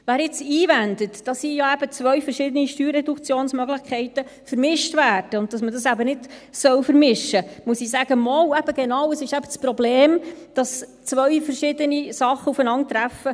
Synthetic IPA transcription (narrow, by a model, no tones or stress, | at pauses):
væːɾjɪt͡siːvændətd̥ɑsijɑæbət͡sʋœɥfəɾʃɪdəniʃtyːɾɛdukt͡sjoːnsmœɡlɪxkʰɛɪtəfəɾmɪʃtvæːd̥əʊnt̚d̥ɑsmədɑsæbənɪd̥sœwfəɾmɪʃəmusisæːɡ̥əmɔwɛb̥əɡ̥enɑwəsɪʃæb̥ət͡spɾɔbleːmd̥ɑst͡sʋœʏfəɾʃɪdənisɑχːəufənɑŋt̪ɾæfə